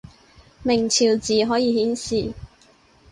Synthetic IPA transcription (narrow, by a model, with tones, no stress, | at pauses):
mɪ˨˩ŋt͡sʰiː˨˩wt͡siː˨ɦɔː˨˥jiː˨˧hiː˨˥nsiː˨